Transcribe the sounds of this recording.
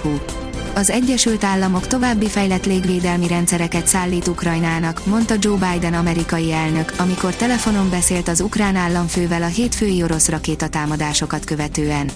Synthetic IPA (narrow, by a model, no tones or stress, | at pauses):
ɒzɛɟːɛʃylt̪aːlːɒmo̞kt̪o̞vaːbːifɛjlɛt̪leːɡveːd̪ɛlmiɾɛnt̪sɛɾɛkɛt̪saːlːiːt̪ukrɒjnaːnɒkmo̞nt̪ɒd͡ʒoːbaːjd̪ɛnɒmɛɾikɒjiɛlnø̞kɒmiko̞rt̪ɛlɛfo̞no̞mbɛseːlt̪ɒzukraːnaːlːɒɱføːvɛlɒɦeːt̪føːjio̞ɾo̞srɒkeːt̪ɒt̪aːmɒd̪aːʃo̞kɒt̪kø̞vɛt̪øːɛn